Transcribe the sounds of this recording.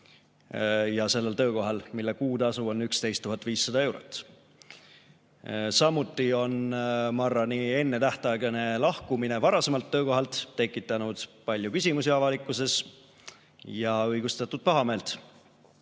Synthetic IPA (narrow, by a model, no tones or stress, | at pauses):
jɑse̞lːe̞lt̪ø̞ːko̞ɦɑlmilːekuːd̪ɑsuo̞nːykst̪e̞jst̪ːuɦɑt̪ːˑviːsːɑd̪ɑe̞wɾo̰t̪ːˑ | sɑmut̪ːˑio̞nmɑrːɑnie̞nːe̞t̪æht̪ɑɡene̞lɑhkumine̞vɑɾɑse̞mɑlt̪ːø̞ːko̞ɦɑlt̪ːe̞kːˑit̪ːˑɑnud̪̥pɑlʲjukysʲimusiɑvɑlikːˑuse̞s | jɑɤjɡ̥ust̪ɑt̪ːˑud̪̥̚pɑɦɑme̞ːlt̪ˑ